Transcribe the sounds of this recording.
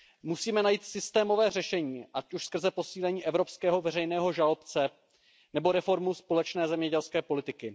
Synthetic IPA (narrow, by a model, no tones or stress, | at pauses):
musiːmɛnajiːt̪sɪst̪ɛːmo̞vɛːrɛʃɛɲiːʔacuʃskr̩zɛpo̞siːlɛɲiːʔɛvɾo̞pskɛːɦo̞vɛɾɛjnɛːɦo̞ʒalo̞pt͡sɛ | nɛbo̞ɾɛfo̞ɾmuspo̞lɛt͡ʃnɛːzɛmɲɛɟɛlskɛːpo̞lɪt̪ɪkɪ